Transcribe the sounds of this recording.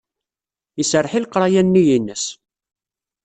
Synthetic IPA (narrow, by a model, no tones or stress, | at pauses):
isərːħilqɾˤɑjænːijinːəs